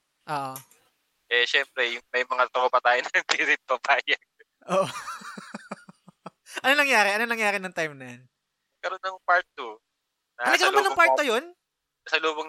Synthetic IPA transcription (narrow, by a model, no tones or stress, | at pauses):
ʔoːʔo | ʔɛʃɛmpɾɛjʊŋmɐjmɐŋat̪okopɐt̪aːjonɐɐŋpiɾɪt̪̚pɐbaːjɐɡ̚ | ʔoːʔo | ʔɐnonɐŋjaːɾɛʔɐnonɐŋjaːɾɪnɐŋt̪ajmnɐjɐn | ɐkɐɾonːɐŋpaɹt̪̚ːu | ɐɐnɐɡɐɐɐnɐpaɾt̪ːojon | ɐsɐloːboŋ